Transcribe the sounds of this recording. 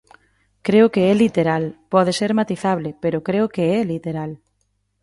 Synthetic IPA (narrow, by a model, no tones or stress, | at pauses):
kɾeʊkeɛlit̪eɾalpɔðeseɾmat̪iθaβlɪpeɾʊkɾeʊkeɛlit̪eɾal